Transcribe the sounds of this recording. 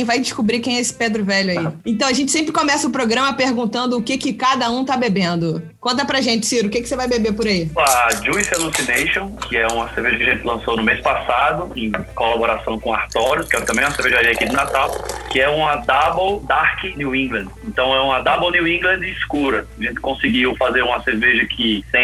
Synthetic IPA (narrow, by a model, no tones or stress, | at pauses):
j̃vajd͡ʒɪskubɾikẽj̃ɛesɪ̥ped̪ɾʊvɛʎʊaiẽt̪ɐ̃w̃ɐʒẽt͡ʃɪ̥sẽmpɾɪkomɛsɐʊpɾoɡɾɐ̃mɐpehɡũnt̪ɐ̃nd̪ʊːkɪkɪkad̪ɐũt̪abebẽnd̪ʊkõnt̪̬ɐpɾɐʒẽnt͡ʃɪ̥siɾʊkekɪ̥sevajbebepʊɾaiad͡ʒuizalusinejʃõkɪɛũmɐseɾveʒɐkɐaʒẽnt͡ʃɪlɐ̃sownʊmespasad̪ʊẽj̃kolaboɾasɐ̃w̃kõaht̪ɔɾʊskɪɛt̪ɐ̃mẽj̃ɛ̃ũɐseɾveʒaɾiɐakid̪ɪnat̪awkɪɛũmɐd̪abowd̪ahkɪniwĩɡlɐ̃d̪ɪẽnt̪ɐ̃w̃ɛũmɐd̪abownuwĩɡlɐ̃nd̪ɪːskuɾɐaʒẽt̪ɪ̥kõsɪɡiwfazeɾũmɐseɾveʒɐkʰɪt̪ẽj̃